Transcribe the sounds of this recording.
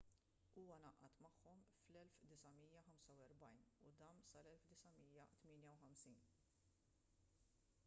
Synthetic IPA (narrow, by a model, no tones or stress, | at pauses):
uːwɐnɐʔɐt̪mɐħːɔmflɛlfd̪ɪsɐmijɐħɐmsɐwɛɾbɐjnud̪ɐːnsɐlɛlfd̪ɪsɐmiːjːɐt̪mɪːnjɐwħɐmsiːn